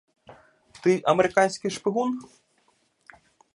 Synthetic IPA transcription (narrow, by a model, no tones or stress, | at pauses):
t̪ɨʔɐmɛɾɨkanʲsʲkʲiʂpʲɨɣun